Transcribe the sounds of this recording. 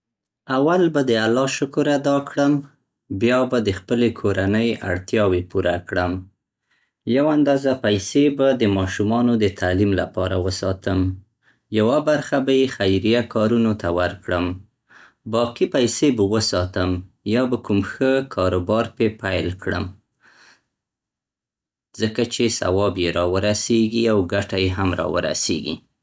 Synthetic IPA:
awalbad̪əalɑʃʊkʊɾad̪ɑkɽəm | bjɑbad̪əxpəlekʰoɾanəja̰ɽt̪jɑwepuɾakɽəm | jawand̪ɑzapajsebad̪əmɑʃumɑnod̪ət̪ʰalimla̰pɑ̰ɾawəsɑ̰t̪əm | jawabaɾxabajexajɾijakɑɾunot̪awəɾkɽəm | bɑqipajsebəwəsɑt̪əm | jɑbəkumxəkʰɑɾobɑɾpepajlkɽə̰m | z̥əkat͡ʃesa̰wɑbjeɾɑwəɾaseɡiawɡaʈajeɦamɾɑ̰wə̰ɾa̰sḛɡḭ

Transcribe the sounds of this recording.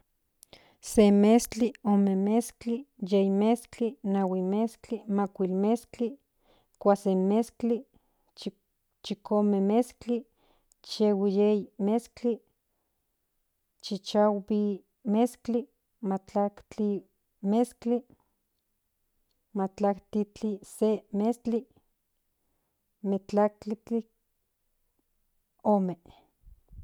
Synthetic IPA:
semest͡ɬiomemeskt͡ɬijejmest͡ɬinawimest͡ɬimakʷilmest͡ɬi | kʷasemest͡ɬi | t͡ʃikomemest͡ɬi | t͡ʃewijejmest͡ɬi | t͡ʃit͡ʃawbi | meskt͡ɬi | mat͡ɬakt͡ɬi | meskt͡ɬi | mat͡ɬakt̪it͡ɬisemest͡ɬi | met͡ɬak̚t͡ɬit͡ɬi | ome

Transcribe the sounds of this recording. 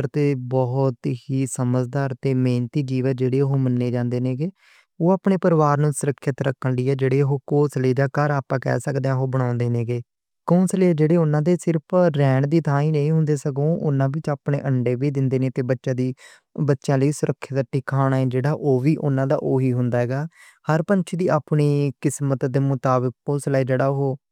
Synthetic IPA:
əɾt̪eːbɔɦt̪ɦiːsəməd͡ʒd̪aːɾt̪eːmeːnt̪iːd͡ʒiːʋət̪d͡ʒeːɽeːɦoːmənːeːd͡ʒãːnd̪eːneːɡeː | oːaːpɳeːpəɾʋaːɾnũːsʊɾəkʰːjət̪ɾəkʰːəɳliːɛːd͡ʒeːɽeːɦoːkoːsləiːd̪aːkəɾaːpãːkɛ̰ːsəkd̪eãːɦoːbəɽ̃ãːnd̪eːnẽːɡeː | koːsleɛːd͡ʒeːɽeːʊnãːd̪eːsɪɾpʰɾɛːɳd̪iːt̪ãːĩːnə̃ĩːɦʊ̃nd̪eːsəɡõːʔʊ̰nːãːʋɪt͡ʃaːpɳḛːʔəɳɖeːʋiːd̪ɪnd̪eːneːt̪eːbətːʃãːd̪iː | bətːʃjãːləiːsʊɾəkʰːət̪əʈːiːkʰaːɽaːɛːd͡ʒeːɽaːʔoːʋiːʔʊnãːd̪a̰ːʔoːɦiːɦʊnd̪aːɦɛːɡaː | həɾpənt͡ʃʰiːd̪iːaːpniːkɪsmət̪d̪eːmʊt̪aːbək̚oːslaːiːd͡ʒeːɽaːʊɦoː

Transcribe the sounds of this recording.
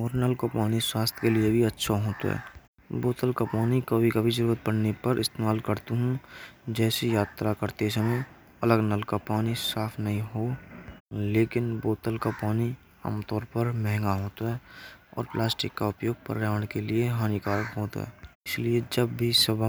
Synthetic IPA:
ɔːɾnəlkopaːniswaːst̪ʰkeliebʱiɐtːʃʰaɦoːt̪a̰ɦɛ̰ː | boːt̪əlkapaːnikɐbʱikɐbʱid͡ʒəɾuːɾət̪̚bəɽ̤nepɐɾɪst̪eːmaːlkəɾt̪uɦũd͡ʒɛːsijaːt̪ɾakəɾt̪esəmẽ | ɐləɡnəlkapaːnisaːpʰnɐɦĩɦoː | leːkɪnboːt̪əlkapaːni | a̰ːmt̪ɔːɾpəɾmɛ̃ɦŋɡaɦoːt̪aɦɛːɔ̰ːɾplaːsʈɪkːaʊpjoːɡ̚pə̰ɾɾaːʋəɽ̃kelieɦaːnikaːɾkɦoːt̪a̰ɦɛ̰ːɪslied͡ʒɐbːʱisəbʱ

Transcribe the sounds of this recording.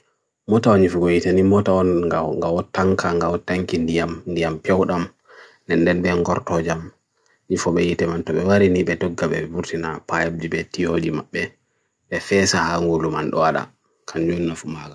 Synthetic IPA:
mɔtaɔnɲifɔɡɔjitanimɔtaɔnŋɡawɔtːaŋkaŋɡawɔtaŋkindijamndijampɛwɗam | nɛnːdɛnɓɛŋɡɔɾtɔd͡ʒam | ɲifɔɓɛjitɛmantɔɓɛwaɾiniɓɛdɔɡːaɓɛ̰buɾtinapajab̚dibɛtijod͡ʒimaɓːɛ | ɓɛfɛsahaŋɡulumanɗɔ̰waɗa̰ | kʰand͡ʒunːafumaɡa

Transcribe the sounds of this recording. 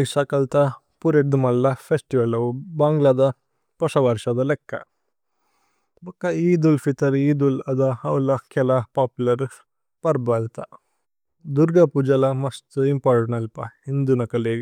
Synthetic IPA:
iʃakɐlt̪ɐ | puɾeʈd̪umɐlːɐpʰesʈiʋɐlɐʋubaːŋɡlad̪ɐ | pɔsɐʋɐɾʂɐd̪ɐlɛkːɐ̰ | bɐkːɐiːd̪ulfit̪ɐɾiːd̪ulɐd̪ɐɐwlɐkɛlɐpaːpjulɐɾ | pɐɾbɐlt̪ɐ | d̪uɾɡɐpud͡ʒɐlɐmɐst̪uimpaːɾʈɐnɐlpɐind̪unɐkɐleːɡ

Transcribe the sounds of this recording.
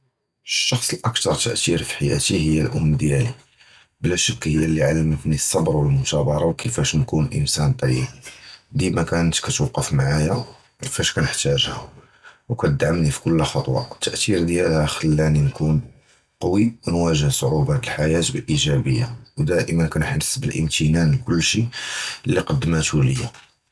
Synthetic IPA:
əʃːɑxsˤəlʔəkt̪ɑɾˤt̪ə̰ʔt̪iɾfi̥ħajæ̰t̪ihəjːælʔʊmːd̪jæli | blæʃəkːhəjːælːiʕalːmət̪nisˤːɑbɾwəlmʊt̪æbɑɾˤɑwkəfæʃnkunʔə̰nsænt̪ˤɑɾiqd̪imækænət̪kæt̪wɑqːəfmaʕajæ | kəfæʃkænəħt̪æʒhæ | wkæt̪əd̪ʕamnifi̥kʊlːxɑt̪ˤwɑ̰ət̪ːəʔt̪iɾd̪jælhæxəlːæninkun | qɑwiwənwæʒəhsˤʕubæt̪əlħajæt̪bəlʔiʒæbə̰jːawd̪æʔəmənkænħnəsːbəlʔə̰nt̪ənænlkʊlːʃilːiqɑd̪ːəmæt̪uləjːa

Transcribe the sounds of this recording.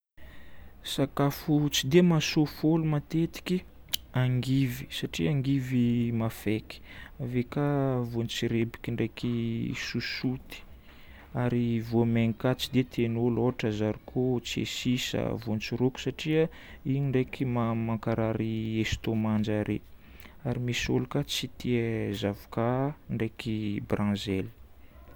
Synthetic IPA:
sakafut͡sid̪emasofolumat̪et̪i̥kʲi | aŋɡivi̥saʈ͡ʂiaŋɡivimafeki̥avekavont͡siɾebi̥kʲiɳɖ͡ʐekisusut̪i̥ | aɾivomeŋikat͡sid̪et̪ʰenoloɦaʈ͡ʂazaɾikʰot͡siḛsisə̰vunt͡siɾuku̥saʈ͡ʂiə | iniɳɖ͡ʐekimamaŋkaɾaɾiest̪omand͡ʒaɾḛ | aɾimiso̰lukat͡sit̪ʰiəzavu̥kaɳɖ͡ʐekibrãzɛli̥

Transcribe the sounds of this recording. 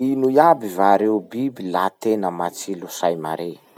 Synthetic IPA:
inujabivaɾeubibilat̪enəmat͡silusajma̰ɾe

